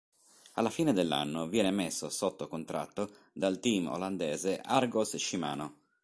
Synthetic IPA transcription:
a̰lːafiːned̪elːa̰nːovjɛːnemesːosot̪ːokont̪ɾa̰t̪ːo | d̪alt̪imo̰land̪ɛːzeʔarɡosʃima̰ːno

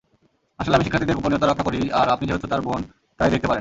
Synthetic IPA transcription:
aʃoleamiʃikʰːat̪ʰid̪eɾkuponiot̪aɾɔkʰːakoɾiaɾapnid͡ʑeɦot̪ʰːot̪aɾbon | t̪ajd̪ekt̪epaɾen

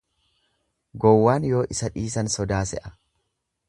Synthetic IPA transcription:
ɡɔwːaːnjo̞ːʔɪsɐᶑiːsɐnsɔd̪aːsɛ̰ʔɐ̥

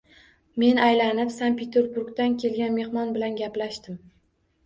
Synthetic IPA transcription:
me̞najlanɪpsanpʰe̞t̪ʰe̞ɾbuɾɡt̪ankʲʰe̞lɡʲanme̞hmɒnbɪlanɡʲaplaʃt̪ɪm

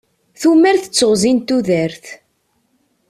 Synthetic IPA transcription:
θumːæɾθə̥t͡sːəʁzint̪ːuðəɾθ

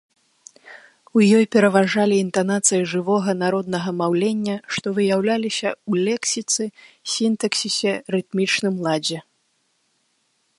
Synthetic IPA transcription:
ujɔjpʲɛɾɐvaʐalʲiːnt̪anat̪sɨjiʐɨvɔɣɐnaɾɔd̪nɐɣɐmawlʲenʲːɐʂt̪ɔvɨjawlʲalʲisʲɐwlʲɛksʲit̪sɨsʲint̪ɐksʲisʲɛrɨt̪mʲit͡ʂnɨmlˠad͡zʲɛ

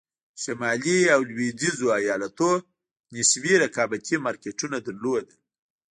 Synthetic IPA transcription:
ʃamɑliawlwidizoajɑlat̪o | nɪswiɾakɑbak̪ʰimɑɾkeʈunad̪aɾlod̪a

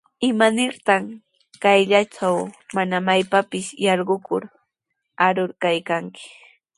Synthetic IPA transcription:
ɪmanɪɾt̪am | kajʎat͡ʃawmanamajpapɪsjɑɾɢʊkʊɾ | aɾʊɾkajkaŋkɪ̥

